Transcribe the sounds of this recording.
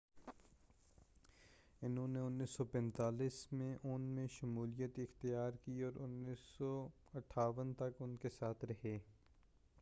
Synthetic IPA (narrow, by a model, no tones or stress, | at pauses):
ɪnɦõːneʊnːiːsːɔpɛ̃nt̪aːliːsmẽʔʊnmẽʃɐmuːlijət̪ɪxt̪ijaːɾkiɔːɾʊnːiːsːɔ | ɐʈʰːaːʋənt̪ɐkʊnkesaːt̪ʰɾɐɦeː